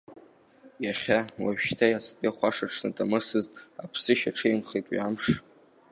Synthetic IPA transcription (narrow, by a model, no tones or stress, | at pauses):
jaχʲawaʃtʰajaspʼiχʷaʂaʈ͡ʂʰnɨtʼamɨsɨztʼapʰsɨʃaʈ͡ʂʰejmχetʼwḭamʂ